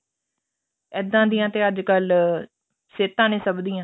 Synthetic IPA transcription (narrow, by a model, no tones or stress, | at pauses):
ɛːd̪ãːd̪ijãːt̪eːəd͡ʒkəl | seːt̪ãːnẽːsəbd̪iːãː